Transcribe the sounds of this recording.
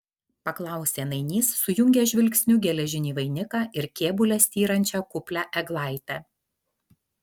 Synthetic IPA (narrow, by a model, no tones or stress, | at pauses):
pɐklˠɑˑʊsʲeːnɐɪnʲiːsːʊjʊŋʲɡʲɛːʒʲʋʲɪlʲksʲnʲʊɡʲɛlʲɛʒʲɪnʲiːʋɐɪnʲɪkɑːʔɪɾkʲeːbʊlʲɛsʲt̪ʲiːɾɐnʲt͡ʃʲɛkʊpʲlʲæːʔɛɡlˠɑˑɪt̪ʲɛː